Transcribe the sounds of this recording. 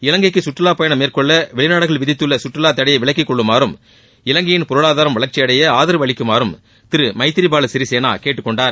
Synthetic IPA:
ɪlɐŋɡɐkːɯsʊʈrɯlaːpɐjɐɳɐmeːɾkɔɭːɐʋɛɭɪnaːɽɯɣɐɭʋɪðɪt̪ːɯɭːɐsʊʈrɯlaːt̪ːɐɽɐjɐɪʋɪɭɐk̬ːɪkːɔɭːɯmaːɾɯm | ɪlɐŋɡɐjɪnpʊɾɯɭaːðaːɾɐmʋɐɭɐɾt͡ʃːɪjɐɽɐjɐaːðɪɾɯʋɐɭɪkːɯmaːɾɯm | t̪ɪɾɯmɐɪt̪ːɪɾibaːlɐsɪɾiseːna̰ːkeːʈːɯkːɔɳɖaːɾ

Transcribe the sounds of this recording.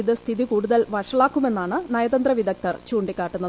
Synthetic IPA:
iðɨst̪ʰiðikuːɽuðɐlʋɐʂɐɭaːkːume̞nːaːɳɨnɐjɐðɐnd̪rɐʋid̪ɐk̚t̪ɐrt͡ɕuːɳɖikːaːʈːunːɐðɨ

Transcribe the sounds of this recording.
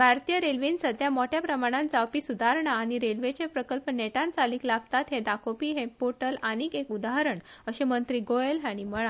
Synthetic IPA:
bʱaɾt̪ijəɾelʋinsəd̪ʱjamoʈjapɾəmaɽ̃ãnd͡zawpiːsud̪ʱaɾɳaːɽ̃iɾelʋet͡ɕepɾəkəlpneʈãnt͡saliːklaɡt̪at̪ɦẽd̪akʰopiːɦẽpoʈəlanikekud̪aɦəɾəɳəɕemənt̪ɾiːɡojelɦaɽ̃iməɭa

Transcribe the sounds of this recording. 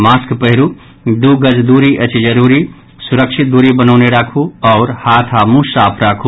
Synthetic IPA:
maːskpəɦɪɾu | d̪uɡəd͡ʒd̪uːɾiʔət͡ʃid͡ʒəɾuːɾi | sʊɾəkʃɪt̪̚d̪uːɾibənəʊneɾaːkʰuɔːɾhaːt̪ʰamũsaːpʰɾaːkʰu

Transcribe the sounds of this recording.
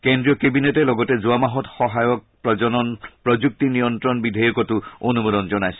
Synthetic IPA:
kendɾiɔkebinetelɔɡɔted͡ʒuamaɦɔt̪xɔɦajɔk̚pɾɔd͡ʒɔnɔnpɾɔd͡ʒuk̚t̪inijɔnt̪ɾɔnbid̪ʱajɔkɔtuonumod̪ɔnd͡ʒɔnajsi̥

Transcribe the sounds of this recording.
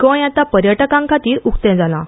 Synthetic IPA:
kəjjat̪apəɾjəʈəkãŋkʰat̪iːɾukt̪ɛ̃d͡zalã̰

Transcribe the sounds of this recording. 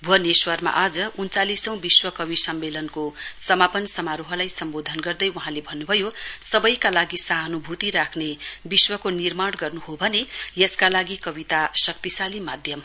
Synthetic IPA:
bʱuɦʌneswʌrma̰ʔad͡zʌunt͡salisʌ̃w̃biswʌkʌβisʌmːelʌnkosʌmapʌnsʌmaɾuɦʌlajsʌmbod̪ʱʌnɡʌrd̪ʌjuɦãlebʱʌnːubʱʌjosʌbʌjkalaɡisaɦʌnubʱut̪iɾakʰnebiswʌkonirmaɽɡʌrnuɦobʱʌnejʌskalaɡikʌbit̪asʌk̚t̪isalimad̪ʱjʌm

